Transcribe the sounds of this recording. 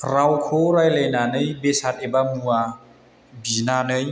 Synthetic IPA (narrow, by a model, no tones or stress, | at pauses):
ɾawkʰoɾajlejnanɯjbesat̚ebamua | binanɯj